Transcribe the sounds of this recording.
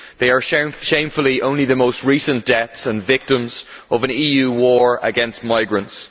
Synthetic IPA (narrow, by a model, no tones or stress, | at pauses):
ðeɪə˞ʃʃẽɪ̃ɱfəl̩ˠiʔõʊ̃nliðəmoʊst̚ɹisə̃nd̥ɛtsə̃nvɪk̚tə̃mzʔəvə̃niːjʉːwɔɹə̰ɡɛ̃nst̚maɪɡɹə̃nts